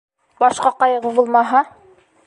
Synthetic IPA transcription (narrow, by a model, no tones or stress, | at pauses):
bɑʃqɑqɑjɤʁɤbulˠmɑɦɑ